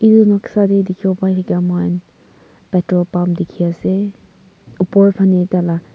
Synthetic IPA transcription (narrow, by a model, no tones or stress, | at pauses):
idunɔksadedikʰibɔpajhakamajn | pɛtɔpamdikʰiasɛ | upɔɹpʰanitala